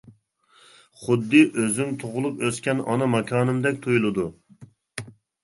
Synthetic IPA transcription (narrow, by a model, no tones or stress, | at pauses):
χʊd̪ːɨʔøzyŋt̪ʰoʁʊlˠupøskʲɛnɑnɑmɑkʲʰɑːnɨmd̪ɛk̚ʲt̪ʰujulˠɨd̪u